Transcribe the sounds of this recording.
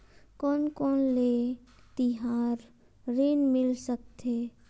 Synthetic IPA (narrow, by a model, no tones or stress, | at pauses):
kɔːnkɔːnle | t̪ɪɦaːɾ | ɾeːnmɪlsək̚t̪ʰeː